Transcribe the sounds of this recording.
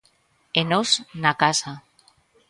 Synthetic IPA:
enosnakasa

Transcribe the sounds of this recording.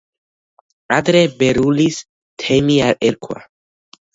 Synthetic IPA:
ad̪ɾɛbeɾulis | t̪ʰɛmiaɾɛɾkʰwa̰

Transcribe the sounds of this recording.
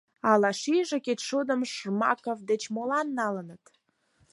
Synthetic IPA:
ɑlɑʃiʒĕket̪ʃud̪əmʃmɑ̰kovd̪et͡ɕmolɑnːɑlənət̪

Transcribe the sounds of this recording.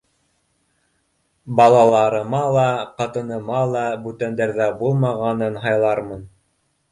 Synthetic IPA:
bɑlˠɑlˠɑɾɤ̆mɑlˠɑqɑt̪ɤ̆nɤ̆mɑlˠɑbʉt̪ænd̪æɾðæbulˠmɑʁɑnɤnɦɑjlˠɑɾmɤn

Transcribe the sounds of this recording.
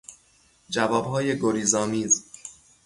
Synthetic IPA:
d͡ʒævɒːbhɒːje̞ɡoɾiːzɒːmiːz

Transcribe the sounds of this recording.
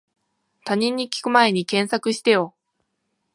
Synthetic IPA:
t̪aɲ̟ʲĩɲ̟ːikʲi̥kɯ̟mae̞ɲ̟ikẽ̞ɰ̃sakɯ̟ɕi̥t̪e̞jo̞

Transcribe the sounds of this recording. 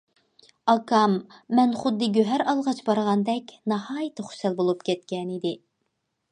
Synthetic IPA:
ɑkʰɑmːɛnχʊd̪ːɨɡʲøɦæɾɑlˠʁɑt͡ʃbɑɾʁɑnd̪ɛkʲnɑhɑːjɨt̪ʰɨχʊ̥sælbolˠupkʲɛt̪kʲʰɛnid̪ɪ

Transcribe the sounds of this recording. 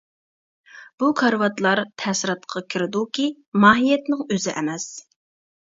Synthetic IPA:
b̥ukʰɑɾwɑt̪lˠɑɾt̪ʰɛsɪɾɑt̪̚qʰɑkʲʰiɾɪd̪ukʲi | mɑːɦijɛt̪nɪŋøzɪʔɛmɛs

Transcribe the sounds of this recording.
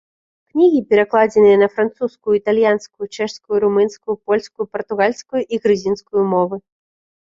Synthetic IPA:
knʲiɣʲipʲɛɾaklˠad͡zʲɛnɨjɐnɐfɾant̪suskujuit̪alʲjanskujut͡ʂɛʂskujuɾumɨnskujupɔlʲskujupɐrt̪uɣalʲskujuʔiɣɾɨzʲinskujumɔvɨ

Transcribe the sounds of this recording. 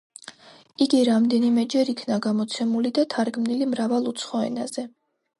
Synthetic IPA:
iɡiɾamd̪ɛnimɛd͡ʒɛɾikʰnaɡamɔt̪sʰɛmulid̪at̪ʰaɾɡmnilimɾavalˠut̪sʰχɔɛ̰naz̥ɛ

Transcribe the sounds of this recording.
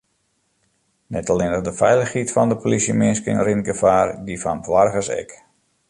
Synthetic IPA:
nɛtɔlɪnərdəfɛjləxhitfɔndəpʰolisjəmɪnskɪ̰nrinɡəfaːrdifɔnbʋarɣəsɛ̰k

